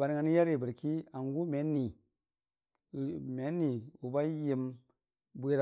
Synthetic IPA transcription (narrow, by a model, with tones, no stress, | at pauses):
ba˨ɾŋa˨n˦ja˦ɾi˨bə˨ɾki˦a˨ŋɡu˦me˨˦nːi˨ | me˨˦nːi˨wu˨ba˦ji˧m | bʷe˦ɾ